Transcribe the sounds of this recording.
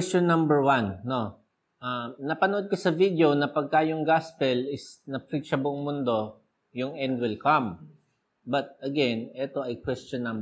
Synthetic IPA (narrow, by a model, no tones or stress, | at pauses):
ɛst͡ʃonːɐmbɛɹwɐnːo̞ | ʔanɐpɐnʊʔod̪̚kosɐvid̪eonɐpɐɡ̚kaːjʊŋɡaspɛlɪsnɐpɹit͡ʃɐbʊʔoŋmʊnd̪o̞ | jʊŋʔɛnd̪wɪlkam | bɐt̪̚ɐɡɛnɛt̪o̞ʔɐjkwɛstɔnːɐ̃mb